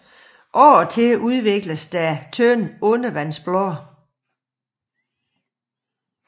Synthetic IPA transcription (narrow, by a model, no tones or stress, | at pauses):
ʔɒːt͡sʰe̝uð̞ˠʋe̝ɡ̥ləsd̥æt͡sʰønɔnəʋænsb̥lɔ